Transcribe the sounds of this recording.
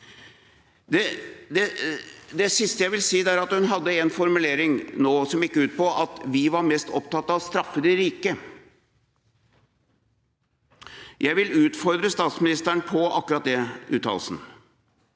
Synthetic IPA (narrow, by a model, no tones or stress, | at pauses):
d̪ɛd̪ɛd̪ɛsɪst̪əjæɪʋɪlsiːd̪æːɾɑt̪hʉnɦɑd̪ːəɛnfɔɾmʉleːɾɪŋnoːsɔmɪkːəʉːt̪̚pɔʔɑt̪ʋɪʋɑɾmɛst̪ɔpt̪ɑt̪ːɑʋst̪ɾɑfːəd̪ɪɾiːkə | jʔæɪʋɪlʉːt̪fɔɾd̪ɾəst̪ɑːt̪smɪnɪst̪æɳpʰɔɑkːʉɾɑt̪̚d̪ɛʉ̰ːt̪ʰːɑ̰ːlsn̩